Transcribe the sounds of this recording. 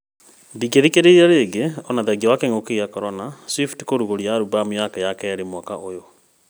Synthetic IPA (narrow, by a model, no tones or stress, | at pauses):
biɡeðikeɾeiaɾeɡeɔnaðɛɡawakeŋokeiakɔɾɔnaswifti̥koɾuɣoɾiaɾubameakɛjakɛɛɾemwakaʔojo